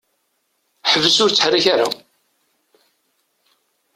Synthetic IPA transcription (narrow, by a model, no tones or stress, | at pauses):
ħəvəsʊɾt͡sːə̥ħrːiçaɾa̰